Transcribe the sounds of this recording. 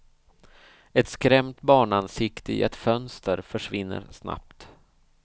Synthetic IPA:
ɛt̪skɾɛmt̪bɑːɳansɪkt̪əɪ̰ɛt̪fœnst̪əɾfœʂvɪnːə̰ɾʂna̰pt̪

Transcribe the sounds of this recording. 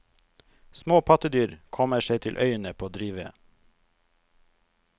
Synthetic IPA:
smoːpʰɑt̪əd̪yːɾkʰɔməʃeɪt̪ʰɪlʔœʏənəpʰoːoːd̪ɾiːʋə̰

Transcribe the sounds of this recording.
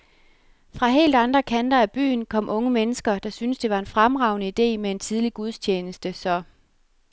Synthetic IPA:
fʁɑ̈ɦe̝̰ːld̥ɑ̈nd̥ʁɐkʰænd̥ɐæb̥y̰ːnkʰɒ̽m̰ʔɔ̽ŋəmenəsɡ̥ɐd̥ɑ̈synəsd̥e̝ʋɑ̈e̝nfʁamʁɑ̈ʊnəid̥e̝̰ːmee̝nt͡sʰið̞ˠliɡ̥uð̞ˠst͡ɕʰeːnəsd̥əsɒ̽

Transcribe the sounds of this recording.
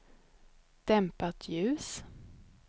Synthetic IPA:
d̪̥ɛmpat̪ʰjʉ̟ːs

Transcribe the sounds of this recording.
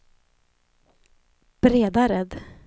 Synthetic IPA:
b̥ɾeːd̪aɾɛd̪

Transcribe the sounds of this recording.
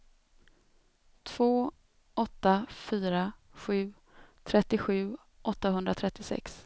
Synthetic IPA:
t̪ʰv̥oː | ɔt̪ːafyːɾaɧʉ̟ː | t̪ʰɾɛt̪ːɪɧʉ̟ː | ʔɔt̪ːahɵnd̪ɾat̪ʰɾɛt̪ːɪsɛ̰ks

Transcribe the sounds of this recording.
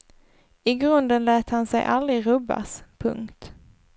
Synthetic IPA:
ɪɡɾɵnd̪ənlɛːt̪hansɛ̰jʔalɾɪɾɵbːa̰spʰɵ̰ŋkt̪

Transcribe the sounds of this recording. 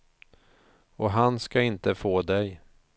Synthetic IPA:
ɔɦanskaɪnt̪əfoːd̪ɛj

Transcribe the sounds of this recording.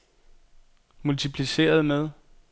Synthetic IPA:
mult͡sʰipʰlise̝̰ːɐð̞̩ˠmeð̞ˠ

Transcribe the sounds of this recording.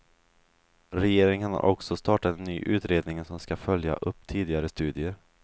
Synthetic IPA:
ɾɛjeːɾɪŋənha̰ɾʔɔksɔst̪ɑːʈat̪ɛnːyːʔʉ̟ːt̪ɾeːd̪nɪŋnsɔmskafœlja̰ʔɵpːt̪ʰiːd̪ɪɡaɾəst̪ʉ̟ːd̪ɪəɾ

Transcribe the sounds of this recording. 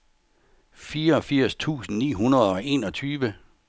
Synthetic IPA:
fiːɐɒ̽fiɐ̰st͡sʰṵːsn̩nḭːɦunɐð̩ˠɒ̽ʔe̝ːnɒ̽t͡sʰyːʋə

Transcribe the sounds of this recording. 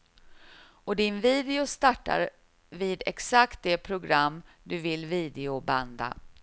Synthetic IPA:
ɔd̪ɪnviːd̪ɪʊst̪aʈːa̰ɾ | viːd̪ɛksakt̪̚d̪ɛpʰɾʊɡɾamː | d̪ɵvɪlviːd̪ɪʊband̪a̰

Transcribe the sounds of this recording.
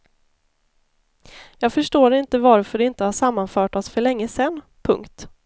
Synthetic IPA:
jɑːɡfœʂʈoːɾɪnt̪əvaɾfœɖɛɪnt̪əhaʂamːanfœːʈɔsfœɭɛŋːəsɛnː | pʰɵ̰ŋkt̪

